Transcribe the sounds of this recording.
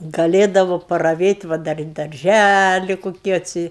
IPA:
ɡɐˈlʲeːdɐʋoː pɐrɐˈʋʲeːtʲ ˈʋɐ dɐr ɪr dɐrʲˈʒʲælʲɪ ˈkoːkʲɪ ɐtʲˈsʲɪ

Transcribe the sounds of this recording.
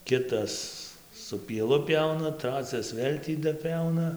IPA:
ˈkʲɪtɐs sʊ pʲiɛˈlˠʊ ˈpʲɛʊnɐ ˈtrɑːt͡sʲɛs ˈʋʲeːlʲ tʲiː dɐˈpʲɛʊnɐ

